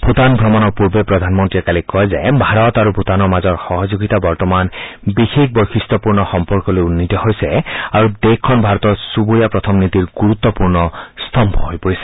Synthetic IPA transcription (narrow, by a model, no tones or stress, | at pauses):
bʱut̪anbʱɹɔmɔnɔɹpuɹbepɹɔd̪ʱanmɔntɹiɛkalikɔjzabʱaɹɔt̪aɹubʱut̪anɔɹmazɔɹxɔɦɔzoɡit̪abɔɹtɔmanbixek̚bojxist̪ɔpuɹnɔxɔmpɔɹkɔlojunːit̪ɔɦojsɛaɹud̪ekʰːɔnbʱaɹɔt̪ɔsubujapɹɔt̪ʰɔmnit̪iɹɡuɹut̪ːɔpuɹnɔst̪ʰɔmbʱɔɦojpoɹisɛ̥